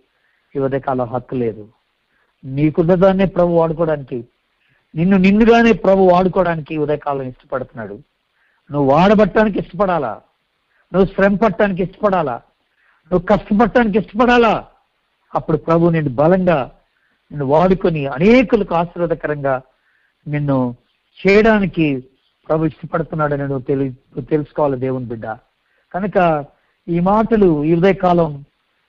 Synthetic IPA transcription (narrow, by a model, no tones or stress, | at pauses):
iʋɐd̪ɐjkaːlɐɦɐt̪ːule̞ːd̪u | niːkunːɐd̪aːne̞ːpɾɐbʱuaːɽuk̬ɔːɽaːniki | ninːuninːuɡaːne̞ːpɾɐbʱuaːɽukɔːɽaːnikiʋɐd̪ɐjkaːlɐ̃miʂʈɐ̥pɐɽut̪unːa̰ːɽu | nuʋuʋaːɽɐbɐʈːaːnik̬iʂʈɐ̥pɐɽaːla̰ː | nuʋːusɾempɐʈːaːnik̬iʂʈɐ̥pɐɽaːla̰ː | nuʋːukɐʂʈɐp̬ɐʈːaːnik̬iʂʈɐ̥pɐɽaːlaː | ɐpːuɽupɾɐbʱuninːubɐlɐŋɡaː | nenːuʋaːɽukoniɐneːkulɐkuaːʃɾɐd̪ɐkɐɾɐŋɡaː | nenːu | t͡ʃɛːjɐɽaːniki | pɾɐbʱuiʂʈɐpɐɽt̪unːaːɽɐninut̪ut̪elusu̥kɔʋaːlɐd̪eːʋunbiɖːa̰ː | kɐnɐkɐ | iːmaːʈɐluid̪ɐjɐkaːlɐm